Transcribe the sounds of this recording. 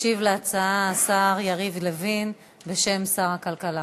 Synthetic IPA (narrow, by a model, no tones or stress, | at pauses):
ʃivleat͡saaːsaʁjaʁivlevin | be̞ʃe̞msaʁhakalkala